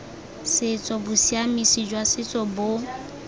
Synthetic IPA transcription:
sɪt͡sʼɔbʊsiamisid͡ʒwasɪt͡sʼɔbʊ

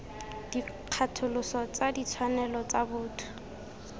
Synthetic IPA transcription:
d̥iq͡χʰatʰʊlʊsɔt͡sadit͡sʰwanɛlɔt͡sabʊːtʰʊ̥

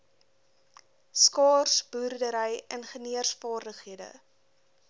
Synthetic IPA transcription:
skɑːrsburdəɾəjənχəniərsfɑːrdəχɦiədə̰

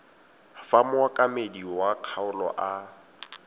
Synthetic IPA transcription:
famwakʼamediwaq͡χʰaʊlɔ̰ʔa

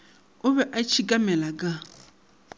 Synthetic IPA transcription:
ʊβɛʔat͡ʃʰikʼamɛlakʼa

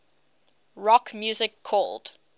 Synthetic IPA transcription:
ɹɔkmjuzɪkʰːɔld̥

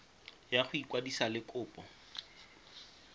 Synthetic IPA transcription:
jaχʊikwadisalɪkʼʊːpʼɔ

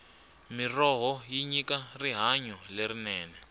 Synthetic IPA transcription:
mirɔɦɔjiɲikariɦaɲɔleɾinɛːnɛ

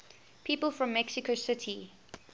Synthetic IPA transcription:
pʰiːpəlˠfɹɔ̃mːɛksɪkosɪtʰi

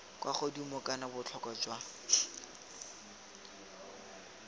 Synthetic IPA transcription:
kwaχodimʊkʼanabʊt͡ɬʰɔkad͡ʒwa

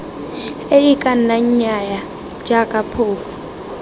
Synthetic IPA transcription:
ejikʼanaɲaja | d͡ʒʱakʼapʰoːfu̥

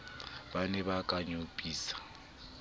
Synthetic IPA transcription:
banɛbakʼaɲopʼiːsḁ

